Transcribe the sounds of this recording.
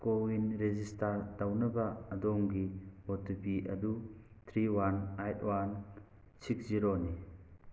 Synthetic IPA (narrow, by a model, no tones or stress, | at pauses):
kowinɾezistaɾdawnɐbɐːdɔŋɡibɔtupiʔɐ̰du | t̪ʰɾiwanajtwan | siksziɾoni